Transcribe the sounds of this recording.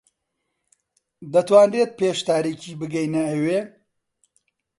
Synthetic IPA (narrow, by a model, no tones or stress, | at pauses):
d̪ɐt̪waːnret̪̚peːʃt̪aːɾiciːbɨɡɐjnɐːweː